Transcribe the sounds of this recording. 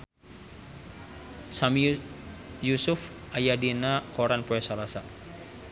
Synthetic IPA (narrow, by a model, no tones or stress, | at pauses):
sam | jusʊf | ʔajadinakɔɾanpoɛsalasa